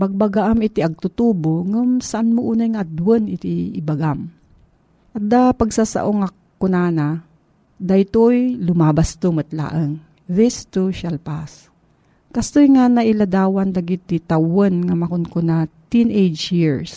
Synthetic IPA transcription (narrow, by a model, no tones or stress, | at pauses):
baɡ̚baɡaʔamɪt̪iʔɐɡ̚t̪ʊt̪uːboŋumsaʔanmoʔunajŋaʔad̪wənɪt̪iɪ̰baɡam | ʔɐd̪apaɡsasa̰ʔoŋa | kʊnaːna | d̪ajt̪ojlʊmabast̪omɐt̪la̰ːʔəŋ | ɾist̪uʃalpas | kɐst̪ojŋanaʔɪlad̪aːwand̪aɡit̪ːit̪awənŋamɐkʊnkʊnat̪inʔejd͡ʒiɹs